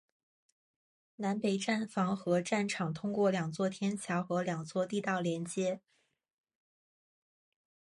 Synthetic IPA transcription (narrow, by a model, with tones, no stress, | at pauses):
na˧˥npe˨˩ɪʈ͡ʂa˥˩nfɑ˧˥ŋxɤ˧˥ʈ͡ʂa˥˩nʈ͡ʂʰɑ˨˩ŋt̪ʰʊ˥ŋkwɔ˥˩ljɑ˨˩ŋt͡swɔ˥˩t̪ʰjɛ˥nt͡ɕʰjɑ˧˥ʊxɤ˧˥ljɑ˨˩ŋt͡swɔ˥˧t̪i˥˧t̪ɑ˥˩ʊljɛ˧˥nt͡ɕjɛ˥